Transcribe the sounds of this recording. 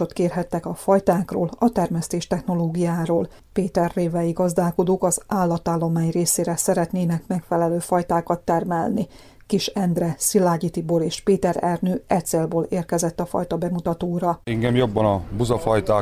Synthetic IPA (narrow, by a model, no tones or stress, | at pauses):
ot̪keːrɦɛt̪ːɛkɒfɒjt̪aːkro̰ːlɒt̪ɛrmɛst̪eːʃt̪ɛxno̞loːɡijaːɾoːl | peːt̪ɛrːeːvɛjiɡɒzd̪aːko̞d̪oːkɒzaːlːɒt̪aːlːo̞maːɲreːseːɾɛsɛɾɛt̪neːnɛkmɛkfɛlɛløːfɒjt̪aːkɒt̪ːɛrmɛlni | kiʃɛnd̪rɛsilaːɟit̪iboɾeːʃpeːt̪ɛɾɛrnøːʔɛt̪seːlboːleːrkɛzɛt̪ːɒfɒ̰jt̪ɒbɛmut̪ɒt̪oːɾɒɛŋɡɛmjobːɒnɒbuzɒfɒjt̪aː